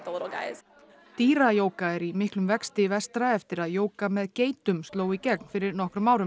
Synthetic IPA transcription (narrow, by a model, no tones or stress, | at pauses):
t̪oɾoɡa̰ɪz̥ | t̪iːɾajoːwkaɛɾimɪhklʏmvɛkst̪ɪvɛst̪ɾaɛft̪ɪɾaðjoːwkamɛðceːjt̪ʏmst̪loːwicɛkn̥fɪɾɪɾnɔhkɾʏmaːwɾʏm